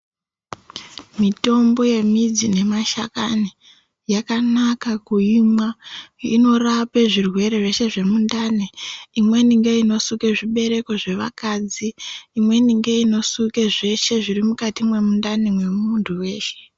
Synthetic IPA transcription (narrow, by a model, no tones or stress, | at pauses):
mito̞mbo̞je̞mid͡zine̞maʃa̰kani | jakanakakuimwaḭno̞rapeʐirwe̞ɾe̞ʐeʃe̞ʐe̞mundaneimwe̞niŋɡe̞ino̞suke̞ʐiɓe̞ɾe̞ko̞ʐe̞ʋa̰kad͡ziːmwe̞niŋɡe̞ino̞suke̞ʐe̞ʃe̞ʐirimukatimwe̞mundanemwe̞muntʰuwe̞ːʃe̥